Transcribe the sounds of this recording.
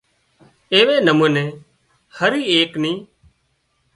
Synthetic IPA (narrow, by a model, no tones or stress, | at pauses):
eːʋeːnəmuːneː | həɾiːeːkniː